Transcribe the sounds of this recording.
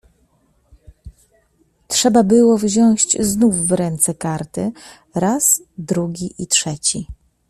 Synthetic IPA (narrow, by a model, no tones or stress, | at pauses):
tʂɛbabɘwɔvʑɔ̃w̃ɕt͡ɕznufːɾɛnt̪sɛkaɾt̪ɘ | ɾasd̪ɾuɡʲiʔitʂɛt͡ɕi